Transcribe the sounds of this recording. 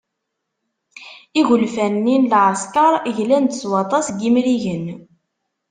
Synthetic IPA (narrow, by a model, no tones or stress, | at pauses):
iɣʊlfænːinlʕəskɑɾˤʝlænt̪əswɑt̪ˤɑsɡimɾiʝən